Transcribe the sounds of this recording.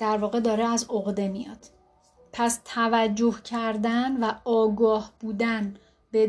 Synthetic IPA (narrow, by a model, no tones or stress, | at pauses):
d̪̥æɾvɒːɣe̞d̪ɒːɾeæzoɣd̪e̞mijɒ̰ːd̪̥ | pʰæst̪ʰævæd͡ʒːo̞hcʰæɾd̪ænvæɒːɡɒːhb̥uːd̪æn | be